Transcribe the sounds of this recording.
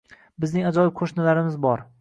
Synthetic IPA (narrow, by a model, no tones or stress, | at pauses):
bɪznɪŋad͡ʒɒjɪp̚kʰoʃnɪlaɾɪmɪzbɒɾ